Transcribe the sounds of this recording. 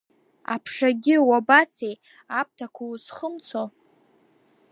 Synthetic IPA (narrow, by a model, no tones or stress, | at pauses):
a̰pʰʂaɡʲɪwabat͡sʰej | ap̚tʰakʷʰuzχəmt͡sʰo